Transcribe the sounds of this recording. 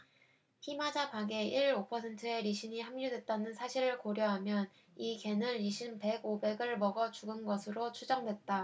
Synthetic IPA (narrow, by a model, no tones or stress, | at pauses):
çimad͡ʑapaɡe̞iɾopʰʌsʰe̞ntʰɯe̞ɾiɕʰiɲihamɲudwe̞t̚t͈anɯnsʰaɕʰiɾɯɭkoɾjʌɦamjʌn | ike̞nɯɾiɕʰimpe̞ɡobe̞ɡɯɭmʌɡʌt͡ɕuɡɯnɡʌsʰɯɾot͡ɕʰud͡ʑʌŋdwe̞t̚t͈a